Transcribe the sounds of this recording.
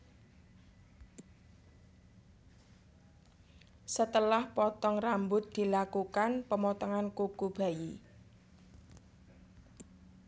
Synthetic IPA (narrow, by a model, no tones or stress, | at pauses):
sət̪əlahpɔt̪ɔŋrambʊt̪̚d̪̥i̤lakukanpəmɔt̪ɔŋankukub̥a̤ji